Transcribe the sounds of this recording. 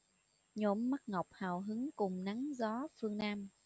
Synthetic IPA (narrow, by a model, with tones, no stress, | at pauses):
ɲo̰˧˩mːa˦˥k̚ŋə˨˩wk͡p̚haː˨˩wɦɨ˨˦ŋkʊ˨˩ŋ͡mna˨˦ŋzɔ˨˦fɨ˧əŋnaː˧m